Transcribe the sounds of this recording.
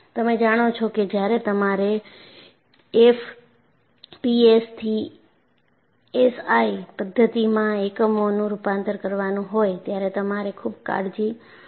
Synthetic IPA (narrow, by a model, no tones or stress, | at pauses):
t̪əmed͡ʒaɽ̃ot͡ʃʰoked͡ʒjaɾet̪əmaɾe | ef | piest̪ʰi | esaipəd̪ʱːət̪imãekəmonũɾupãnt̪əɾkəɾʋanũɦojt̪jaɾet̪əmaɾekʰubka̰ɽd͡ʒi